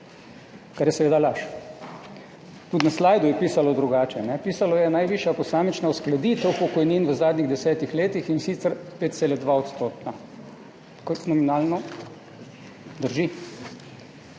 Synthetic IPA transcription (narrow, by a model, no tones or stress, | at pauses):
kaɾjɛsɛʋeːd̪alaʃ | t̪ut̪naslaːjd̪ujɛpiːsalɔd̪ɾuɡaːt͡ʃɛnɛpiːsalɔjɛnajʋiːʃjapɔsaːmit͡ʃnausklad̪it̪ɛwpɔkɔjniːnʋəzaːd̪niɣd̪ɛsɛːt̪ixleːt̪ixinsit̪sɛɾpeːt̪̚selɛd̪ʋaɔt̪st̪oːt̪na | kɔnɔminaːlnɔ | d̪əɾʒi